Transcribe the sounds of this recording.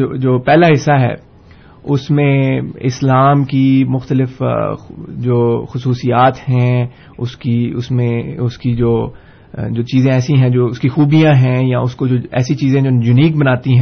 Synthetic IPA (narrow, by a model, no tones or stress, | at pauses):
oːd͡ʒoːpɛːlaɦɪsːaɦɛ̰ː | ʊsmẽɪ̰slaːmkimʊxt̪əlɪf | d͡ʒoːxʊsuːsijaːt̪hɛ̃ | ʊskiʊsmẽʊskid͡ʒoː | d͡ʒoːt͡ʃiːzẽɛːsĩɦɛ̃d͡ʒoːʊskixuːbijãɦɛ̃jaʊskod͡ʒoːɛ̰ːsit͡ʃiːzẽd͡ʒoːjʊniːk̚bɐnaːt̪iɦɛ̃